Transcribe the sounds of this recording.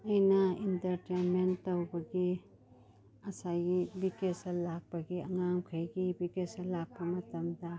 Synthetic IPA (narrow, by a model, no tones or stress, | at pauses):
ɐjnaintɐɾtenmentːɐwbɐɡi | ɐsaɡibikesɐlak̚baɡiɐŋamkʰɐjɡibikesɐlaɡ̚bɐmɐtɐmda